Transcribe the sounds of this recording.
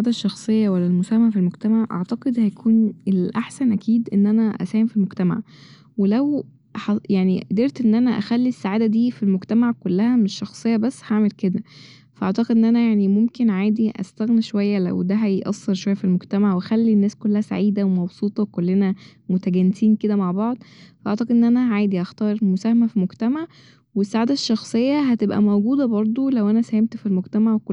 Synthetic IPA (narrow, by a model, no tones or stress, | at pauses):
sʕaːd̪æʃːɑxsˤejːɑwælːælmosæːhmæʕfilmoɡt̪æmaʕʔɑ̰ʕt̪ɑqed̪hæjækʰuːnelʔaħsænʔækʰiːd̪ʔenːʔænæʔæ̰sæːhemfilmoɡt̪æma̰ʕ | welæw | hjaʕniʔd̪eɾt̪ʔenːʔænæʔæxælːisːaʕaːd̪æd̪iːfilmoɡt̪æmaʕkolːæhæmeʃːɑxsˤejːɑbæsːhaʕmelked̪æ | fæʔɑʕt̪ˤɑqed̪ʔenːʔænæjaʕnimomkenʕaːd̪iʔæ̰st̪æɣniʃowæjːælæ̰wd̪æɦæjʔɑsːeɾʃowæjːæfilmoɡt̪æmaʕwæxælːinːæːskolːæhæsa̰ʕiːd̪æwemɑbsˤuːt̪ˤɑwkolːenæmot̪æɡænːesiːnked̪æmaʕbɑʕd̪ˤfæʔɑ̰ʕt̪ˤɑqed̪enːʔænæʕaːjd̪iʔɑxt̪ɑːɾˤmosæːhæmæfimoɡt̪æmaʕ | wesːaʕaːd̪æʃːɑxsˤejːɑɦæt̪ebʔæ̰mowɡuːd̪æbɑɾˤd̪ˤolæwʔænæsæhemt̪filmoɡt̪æmaʕweko